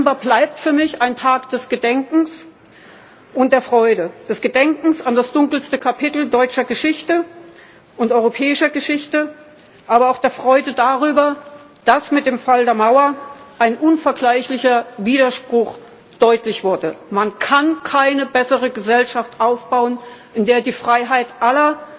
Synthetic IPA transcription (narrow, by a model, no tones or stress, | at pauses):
mbaːblaɪp̚tfyːɐmɪçaɪntʰaːkd̥ɛsɡ̥ədɛŋkŋ̩s | ʔʊnt̚d̥eːɐfʁ̥ɔʏdəd̥ɛsɡ̥ədɛŋkŋ̩sandasd̥ʊŋkl̩stəkʰapʰɪtl̩dɔʏt͡ʃɐɡəʃɪçtə | ʔʊntʔɔʏʁopʰɛːɪʃɐɡəʃɪçtə | ʔaːbɐaʊxd̥eːɐfʁ̥ɔʏdədaʁyːbɐ | d̥asmɪt̚d̥eːmfaldeːɐmaʊɐʔaɪnʔʊnfɛɐɡlaɪçlɪçɐviːɾɐʃpʁ̥ʊx | d̥ɔʏtlɪçv̥ʊɐdəmankʰankʰaɪnəbɛsəʁəɡəzɛlʃaftʔaʊfb̥aʊənʔɪndeːɐdiːfʁ̥aɪɦaɪtʔalɐ